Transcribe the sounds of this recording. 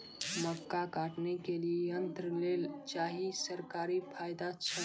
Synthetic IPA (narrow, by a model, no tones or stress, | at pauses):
məkːakaʈnekelieənt̪ɾəlelt͡ʃaɦisəɾkaɾipʰajd̪at͡ʃʰə